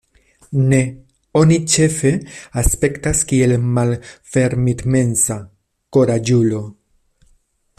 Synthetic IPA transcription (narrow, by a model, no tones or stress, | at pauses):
ne̞ | o̞nit͡ʃe̞fe̞aspe̞ktaskie̞lmalfe̞ɾmidme̞nsa | ko̞ɾad͡ʒulo̞